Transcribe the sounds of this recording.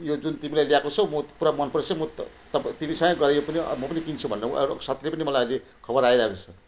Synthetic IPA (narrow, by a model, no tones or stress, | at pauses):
jod͡zunt̪imilajljakot͡sʰʌwmʌpuɾamʌnpʰʌɾt͡sʰʌmʌt̪ | t̪ʌpt̪imisʌ̃ŋɡʌ̃ɡʌɾejopʌnḭmʌpʌnikint͡sʰubʱʌnːḛɾsat̪ʰilepʌnimʌlajʌjle | kʰʌbʌɾajɾʌɦekot͡sʰʌ